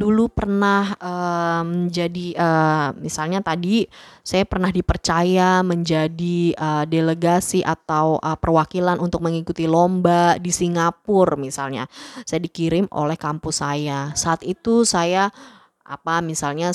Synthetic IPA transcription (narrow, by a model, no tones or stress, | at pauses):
dulupərnahəməɲd͡ʒadiʔəːmisalɲat̪adisajapərnahdipərt͡ʃajaməɲd͡ʒadiədeləɡasiʔat̪awʔəpərwakilanʔunt̪ʊk̚məŋikut̪ilombadisiŋapʊrmisalɲa̰sajadikiɾɪmʔo̰lɛhkampʊsajasaːt̪it̪usaja | ʔa̰pamisalɲa